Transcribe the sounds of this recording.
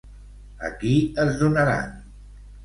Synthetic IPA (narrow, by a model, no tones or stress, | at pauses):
ə̰kiəzðunəɾa̰n